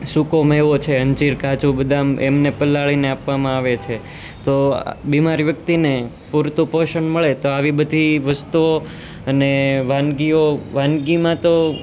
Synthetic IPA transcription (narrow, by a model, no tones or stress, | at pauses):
sukomeʋot͡ʃʰeənt͡ʃiɾkat͡ʃubəd̪ʱamḛmnepəlːaɭineapʋamãaʋet͡ʃʰe | t̪o̰bimaɾiʋjək̚t̪ine | puɾt̪ũpoʃəɳməɭet̪oaʋibəd̪ʱiʋəst̪uo | əneʋãnɡioʋãnɡimãt̪o